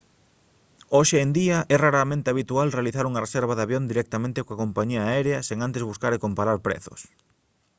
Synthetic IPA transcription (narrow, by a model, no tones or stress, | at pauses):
oʃeːnd̪iɐʔɛraɾamẽnt̪eaβ̞it̪ualrealiθaɾuŋɐresɛɾβɐðaβjond̪iɾɛk̚t̪amẽnt̪ekoakompaɲiaɛɾeɐseŋant̪ezβuskaɾekompaɾaɾpɾɛ̰θʊ̰s